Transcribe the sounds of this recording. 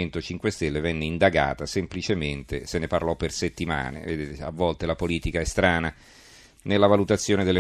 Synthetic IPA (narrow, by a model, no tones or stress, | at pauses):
ent̪ot͡ʃiŋkwest̪elːevɛnːeind̪aɡa̰ːt̪asemplit͡ʃement̪eseneparlɔpːerset̪ːima̰ːnḛved̪eːt̪ea̰vːɔlt̪elapoliːt̪ikaɛst̪ɾaːna | nelːavalut̪at̪sːjoːned̪elːe